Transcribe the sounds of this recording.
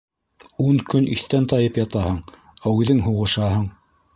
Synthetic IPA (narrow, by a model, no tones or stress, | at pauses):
uŋkɵnʔiθt̪ænt̪ɑjɤpjɑt̪ɑhɤɴ | æʉðɘŋɦuʁɤ̆ʃɑɦɤɴ